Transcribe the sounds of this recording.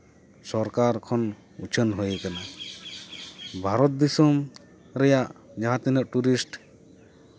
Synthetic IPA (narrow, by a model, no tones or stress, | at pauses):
sɔɾkaɾkʰɔn | ut͡ʃʰənɦojkana | bʱaɾɔt̪̚d̪isɔm | ɾɛjaʔd͡ʒaɦat̪inɔʔʈuɾisʈ